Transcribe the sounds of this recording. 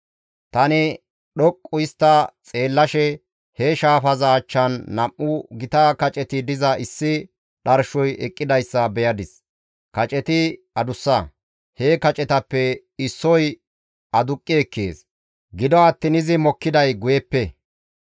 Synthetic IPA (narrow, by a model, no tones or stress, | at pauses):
t̪ɐnɪ | ɗɔkʼːʊɪst̪ːɐt͡sʼe̞ːlːɐʃɛ | heʃaːfɐzɐːt͡ʃːɐnːɐmʔːʊɡɪt̪ɐkɐt͡ʃʼɛt̪ɪd̪ɪzɐɪsːɪ | ɗɐɾʃɔjɛkʼːɪd̪ɐjsːɐbɛjɐd̪ɪs | kɐt͡ʃʼɛt̪ɪ | ɐd̪ʊsːɐ | hekɐt͡ʃʼɛt̪ɐpːɛ | ɪsːɔj | ɐd̪ʊkʼːɪɛkːḛːs | ɡɪd̪ɔɐt̪ːɪnɪzɪmɔkːɪd̪ɐjɡʊjɛpːɛ